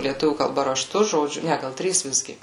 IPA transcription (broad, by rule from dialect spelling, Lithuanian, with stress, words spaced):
lʲiɛˈtʊʋʲuː kɐlˠˈbɐ rɐˈʃtʊ ʒoːˈd͡ʒʲʊ ˈnʲɛ ˈɡɐlˠ ˈtʲrʲiːs ˈʋʲɪzʲɡʲɪ